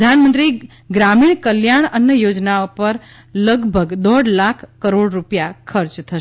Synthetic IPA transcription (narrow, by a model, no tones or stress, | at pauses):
d̪ʱanmənt̪ɾi | ɡɾamiɳ̃kəljaɳənːjəjod͡ʒnaopəɾ | ləɡbʱəɡd̪ɔɽlakʰːkəɾoɽɾupjakʰəɾt͡ʃt̪ʰəʃ